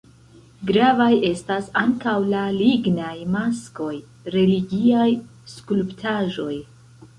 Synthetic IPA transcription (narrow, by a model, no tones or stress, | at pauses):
ɡɾavaje̞stasaŋkawlaliɡnajmasko̞j | ɾe̞liɡiaj | skulptʰaʒo̞j